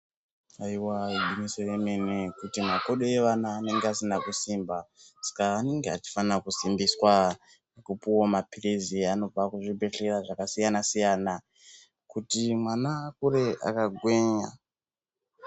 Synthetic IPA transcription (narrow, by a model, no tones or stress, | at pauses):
aiwaiɡinisireme̞nekutimako̞ɗojeʋanaːne̞ŋɡeasinakusimbasḁkaːne̞ŋɡeat͡ʃi̥fanakusimbiswa | akupuwomapireziano̞b͡vakuʐibʱe̞ɬeraʐakasijanasijaːna | kutimwanaːkuɾe̞ʔa̰kaɡʱwe̞ːɲa